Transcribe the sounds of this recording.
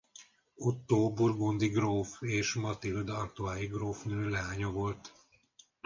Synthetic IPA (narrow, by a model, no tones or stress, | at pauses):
ot̪ːoːburɡond̪iɡroːfeːʃmɒt̪ild̪ɒrt̪oaːjiɡroːfnøːlɛɦaːɲovo̞lt̪